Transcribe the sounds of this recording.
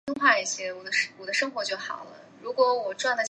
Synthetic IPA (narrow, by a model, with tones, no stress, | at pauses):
i˥ŋxwa˥˧i˥˩ɕjɛ˥wɔ˨˩d̪ə˦ʂwɔ˨˩d̪ə˦ʂɤ˥ŋxwɔ˧˥t͡ɕjo˥˩ʊxɑ˨˩ʊlə˦ɻu˧˥kwɔ˧˥wɔ˨˩ʈ͡ʂwa˥˩nd̪ə˨˩